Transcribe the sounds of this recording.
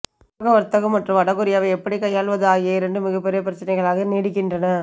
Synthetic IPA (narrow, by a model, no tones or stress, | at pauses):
ɣɐʋɐɾt̪ːɐɣɯmɐʈrɯ̃mɐɽɐɣɯɾɪjaːʋɐɛpːɐɽikɐjaːɭʋɐðɯaːɣeːɾɛndɯmɪɣɐpːɛɾɪjɐp̬ɪɾɐt͡ʃːɪnɛɪɣɐɭaːɣɐneːɽɪkːɪndrɐnɐ